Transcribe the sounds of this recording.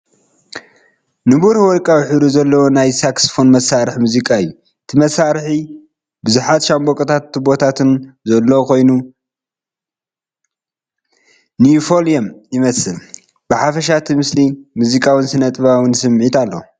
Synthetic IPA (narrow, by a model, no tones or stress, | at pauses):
nɨβuɾwɔɾkʼawħɨɾuzɐlːɐwonajsaksfo̞nmɐsaɾɨħmuzikʼaɨjːu | ɨt̪ʰɨmɐsaɾħi | bɨzuħat̪ʃambokʼɐt̪ʰat̪ːɨbo̞t̪ʰat̪ʰɨnzɐlːokʰo̞jnu | nifoliɐmjɪmɐsɨl | b̥ɨħafɐʃ̬at̪ʰimɨslimuzikʼawɨnsɨnɐt̪ʼβawɨnsɨmʕit̪alːo̰